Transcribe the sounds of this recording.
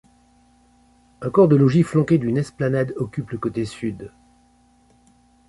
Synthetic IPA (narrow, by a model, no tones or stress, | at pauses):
ɛ̃kɔʁd̪əlɔʒiflɑ̃kʲed̪ynɛsplanad̪ɔkʲypləkot̪esyd̪